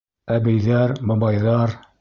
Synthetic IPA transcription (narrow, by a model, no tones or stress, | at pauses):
æbɘ̆jðæɾmɤ̆bɑjðɑɾ